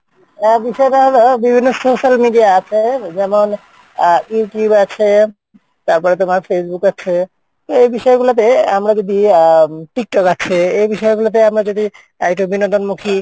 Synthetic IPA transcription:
biʃɔeʈaɦolobibʱinːosoʃalmiɖijaat͡ɕʰed͡ʑɛmon | juʈjubat͡ɕʰe | t̪aɾpɔɾet̪̬omaɾfʰesbukat͡ɕʰe | t̪oejbiʃɔeɡulat̪̬eamɾad͡ʒod̪iʈik̚ʈɔkat͡ɕʰeejbiʃɔeɡulot̪̬eamɾad͡ʑod̪i | akʈobinõnd̪onmukʰi

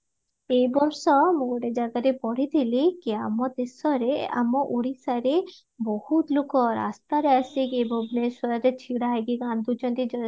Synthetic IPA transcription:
ejbɔmsɔmuɡɔɖed͡ʑaɡaɾepɔɽid̪ilikeamɔd̪esɔɾea̰mɔʔoɽisaɾe | bɔhut̪lukɔɾa̰st̪aɾeasikejbɔbnesɔɾaɾetʰiɽaɦajɡiɡand̪ut͡ʃɔnt̪id͡ʒɔ

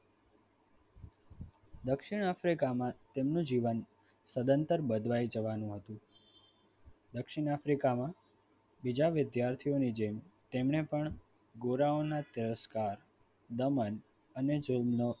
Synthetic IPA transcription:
d̪əkʃɪɳ̃afɾikamãt̪emnũd͡ʒiʋən | səd̪ənt̪əɾbəd̪ʱʋajd͡ʒəʋanũɦət̪ũ | d̪əkʃɪɳ̃afɾikamã | bid͡ʒaʋɪd̪jaɾt̪ʰijonid͡ʒemt̪emɳepəɳ | ɡoɾaonat̪ɪɾəskaɾ | d̪əmən | əned͡ʒəlmno

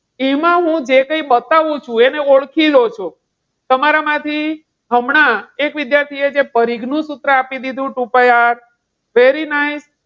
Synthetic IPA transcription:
emãɦũd͡ʒekə̃iɓət̪aʋũt͡ʃʰũeneoɭkʰilot͡ʃʰo | t̪əmaɾamãt̪ʰi | ɦəmɳ̃aekʋɪd̪jaɾt̪ʰied͡ʒepəɾiɡʱnũsut̪ɾəapid̪id̪ʱũʈupajaɾ | ʋeɾinajs

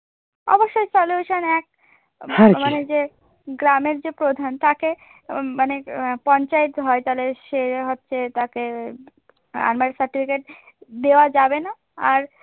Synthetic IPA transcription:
ɔ̰boʃːojsɔljuʃənɛk̚ | maned͡ʑe | ɡɾameɾd͡ʑepɾod̪ʱant̪ake | manepɔɲt͡ʃait̪ɦɔjt̪aleʃeɦotːʃʰet̪ake | a̰nmaɾsəɾʈipʰikeʈ | d̪ewad͡ʒabena | aɾ

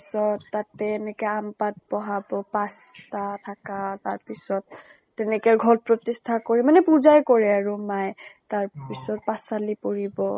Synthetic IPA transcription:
sɔtːatɛːnɛkɛampat̚bɔɦabɔpastatʰakataɹpisɔt̚ː | ɛnɛkɛɹɡʱɔlpɹɔtistʰakoɹɛmanɛpuzajkoɹɛaɹumajtaɹpisɔt̚pasalipɔɹibɔ

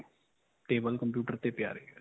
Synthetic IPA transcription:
ʈeːbəlkəmpjuːʈəɾt̪eːpɪja̰ːɾeː

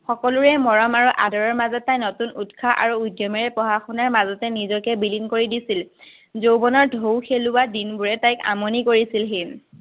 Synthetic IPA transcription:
xɔkɔlʊɹɛmɔɹɔmaɹuʔadɔɹɔɹmazɔtːajnɔtunutkʰaʔa̰ɹuːjdjɔmɛɹɛpɔɦaxʰɔnaɹmazɔtɛnizɔkɛbilinkoɹidisil | zowbɔnɔɹdʱowxʰelʊadinbuɹɛtajka̰monikoɹisilɦin

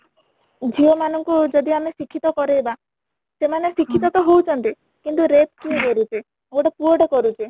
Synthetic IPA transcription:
d͡ʒʱiɔmanɔŋkud͡ʒɔd̪iamesikʰːit̪ɔkɔɾeeba | semanesikʰːit̪ɔt̪ɔɦowt͡ʃʰɔnt̪i | kint̪uɾep̚kieɡɔɾut͡ʃʰe | owʈɔpuoɖɔkɔɾut͡ʃʰe

